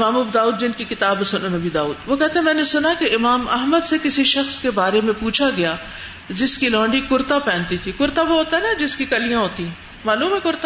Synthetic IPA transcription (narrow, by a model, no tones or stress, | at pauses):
ɪmaːmʊbd̪aːuːd̪̚d͡ʒɪnkikɪt̪aːbesʊnonɐbid̪aːuːd̪ʋokɛɦt̪eɦɛ̃mɛ̃ːnesʊnakeɪmaːmɐɦməd̪sekɪsiʃɐxskebaːɾemẽpuːt͡ʃʰaɡɐja | d͡ʒɪskilɔ̃ːɳɖikʊɾt̪apɛ̃ːnt̪it̪ʰikʊɾt̪aʋoɦoːt̪aɛnad͡ʒɪskikɐlijãɦoːt̪iɦɛ̃ː | maːluːmɦɛkʊɾt̪a